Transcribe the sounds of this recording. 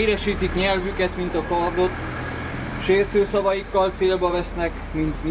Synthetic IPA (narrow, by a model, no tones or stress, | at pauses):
ɾɛʃiːt̪ikɲɛlvykɛt̪mint̪ɒkɒrd̪o̞t̪ | ʃeːrt̪øːsɒvɒjikːɒlt̪seːlbɒvɛsnɛk | mint̪ɲ